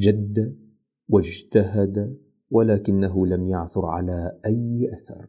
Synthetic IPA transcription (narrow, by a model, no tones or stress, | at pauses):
d͡ʒad̪ːa | wɪd͡ʒt̪aɦad̪a | walaːkɪnːaɦʊlamjaʕθʊɾʕa̰laːʔajʔaθɑ̰ɾˤ